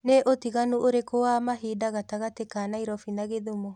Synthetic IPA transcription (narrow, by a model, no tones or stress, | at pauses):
neʔotiɣanuʔoɾekowaːmaɦiːdaɣataɣatekaːnaiɾɔfinaɣeðumɔ